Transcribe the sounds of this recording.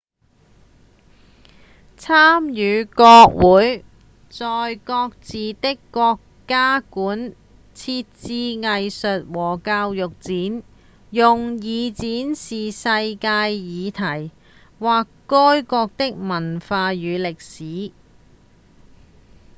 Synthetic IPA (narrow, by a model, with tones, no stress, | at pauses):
t͡sʰaː˥mjyː˨˧kɔː˧k̚wuː˨˥j | t͡sɔː˨jkɔː˧k̚t͡siː˨t̪ɪ˥kːɔː˧kː | aː˥kuː˨˥n | t͡sʰiː˧t̚t͡siː˧ŋɐ˨jsɵ˨t̚wɔː˨˩kaː˧wjʊ˨k̚t͡siː˨˥n | jʊ˨ŋjiː˨˧t͡siː˨˥nsiː˨sɐ˧jkaː˧jːiː˨˧t̪ʰɐ˨˩j | waː˨kːɔː˥jkɔː˧k̚t̪ɪ˥k̚mɐ˨˩nfaː˧jyː˨˧lɪ˨k̚siː˨˥